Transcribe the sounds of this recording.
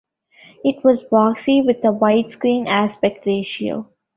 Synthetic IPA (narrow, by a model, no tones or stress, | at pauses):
ɪʈʋɔːzbɔːksiʋɪd̪əʋaɪʈskɾĩːnæspɛk̚ʈɾeːʃiə̰l